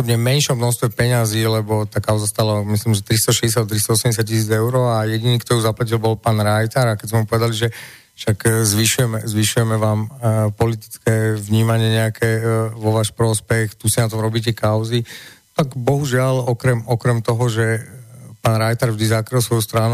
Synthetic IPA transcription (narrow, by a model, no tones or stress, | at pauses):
ɔbɲɛmɛnʃɔmnɔxst̪ʋɛpɛɲaziːlɛbɔt̪aːkaʊzast̪aːlamisliːmʒɛt̪ɾist̪ɔʃɛɟɛs̬jat̪ɾist̪ɔɔsɛmɟɛs̬jac̚cisiːd͡zɛʊɾɔːajɛɟiniːkt̪ɔjuːzaplac̬ilbɔlpaːnɾajt̪aɾakɛzmɛmupɔʋɛd̪aliʒɛ | ʃakzʋiʃujɛmɛzʋiʃujɛmɛʋaːmpɔlit̪i̥t͡skɛʋɲiːmaɲɪɛɲɛakʰɛʋɔʋaːʃpɾɔspɛxt̪usinat̪ɔmɾɔbiːc̬ɛkaʊzi | t̪aɡbɔɦuʒɪalɔkɾɛmɔkɾɛmt̪ɔɦɔʒɛpaːnɾajt̪aɾvʒd̪izakɾilˠsʋɔjust̪ɾanu